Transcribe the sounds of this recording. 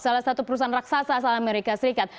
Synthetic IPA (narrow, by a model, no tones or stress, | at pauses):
salasat̪upəɾus̬aanraksasasaameɾikasəɾikat̪̚